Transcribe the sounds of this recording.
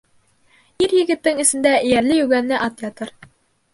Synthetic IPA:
iɾjɘ̆ɡɘ̆t̪ːɘŋɘ̆sɘ̆nd̪æɘjæɾlɘjʉɡænːɘʔɑt̪jɑt̪ɤɾ

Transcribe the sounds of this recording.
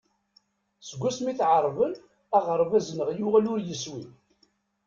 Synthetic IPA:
səɡʷːæsmiθʕəɾˤvən | æʁəɾˤvæznəʁjʊʁælʊɾjəswi

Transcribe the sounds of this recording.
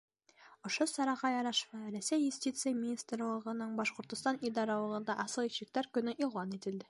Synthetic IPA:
ŏʃosɑɾɑʁɑjɑɾɑʃvɑɾæsʲːæjjʉsʲt̪ʲit̪sɨɪjəmʲinʲist̪rlˠɤ̆ʁɤ̆nɤɴbɑʃqŏɾt̪ŏst̪ɑnid̪ɑɾɑlˠɤ̆ʁɤ̆nd̪ɑʔɑsɤlˠiɕɘ̆k̚t̪æɾkɵ̆nɘʔilˠɑnit̪ɘ̆ld̪ɘ

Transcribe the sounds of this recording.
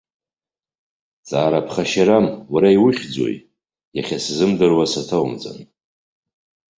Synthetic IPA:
t͡sʼaːɾapʰχaʃaɾamwaɾaiwʊχʲd͡zo̰j | jaχʲaszɨmdɨrwasatʰawumt͡sʼa̰n

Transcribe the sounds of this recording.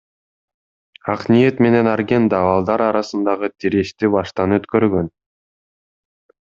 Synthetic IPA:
ɑqnije̞t̪me̞ne̞nɑɾɡʲe̞nd̪ɑβɑlˠd̪ɑɾɑɾɑsɯnd̪ɑʁɯt̪ʰiɾeʃt̪ibɑʃt̪ɑnøt̪køɾɡø̞n

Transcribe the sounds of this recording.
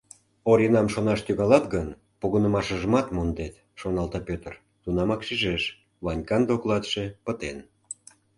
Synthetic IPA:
oɾinɑmʃonɑʃt̪yɣɑlɑt̪ɣən | puɣənə̆mɑʃə̆ʒəmɑt̪mond̪et̪ | ʃonɑlt̪ɑpʲøt̪ər | t̪unɑmɑkʃiʒeʃ | βɑnʲkɑnd̪oklɑt̪ʃepət̪en

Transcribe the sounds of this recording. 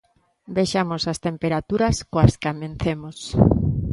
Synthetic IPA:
bejʃamosast̪empeɾat̪uɾɐskoaskamẽnθemos

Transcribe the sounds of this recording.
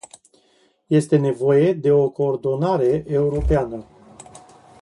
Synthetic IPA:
je̞st̪e̞ne̞vo̞je̞d̪e̞o̞koːrd̪o̞naɾe̞ʔeuɾo̞peanə

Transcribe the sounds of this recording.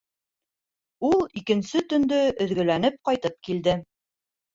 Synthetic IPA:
ulˠikɘ̆nsɘt̪ɵ̆nd̪ɵɵ̆ðɡɵ̆lænɘp̚qɑjt̪ɤp̚kild̪ɘ

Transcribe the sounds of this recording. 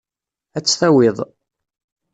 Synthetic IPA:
æt͡sːθæwɪðˤ

